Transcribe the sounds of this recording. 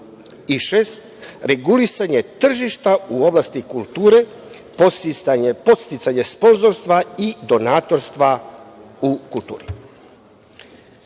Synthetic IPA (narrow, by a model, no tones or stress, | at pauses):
iʃest̪ɾe̞ɡulisaɲe̞t̪r̩ʒiʃt̪auo̞blast̪ikulˠt̪uːɾe̞ | posiɲepo̞t̪st̪it̪saɲe̞spo̞nzo̞ɾst̪ʋaid̪o̞naːt̪o̞ɾst̪ʋa | ukult̪ṵːɾi